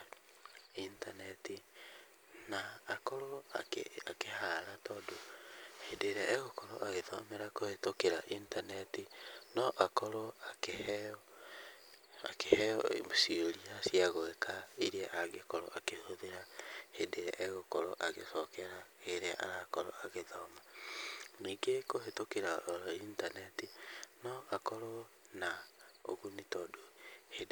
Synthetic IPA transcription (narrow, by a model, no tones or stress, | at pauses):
intanɛti | naːkɔɾo | akehaɾatɔːndohedeɾɛʔɛɣokɔɾɔ̰ʔaɣeðɔ̰meɾakohetokeɾaʔintanɛtinɔʔakɔɾoakeh | a̰kehɛɔ̰osioɾiasiaɣoɛkʰaiɾɛʔaɣekɔɾɔ̰ʔakehoðeɾahendeɾɛ̰ʔɛɣokɔɾɔʔaɣesɔkɛɾaɣeɾea̰ʔa̰ɾakɔɾɔ̰ʔaɣeðɔma | niːɡekohetokeɾaoɾintanɛtinɔʔakɔɾɔ | nao̰ɣunitɔdohede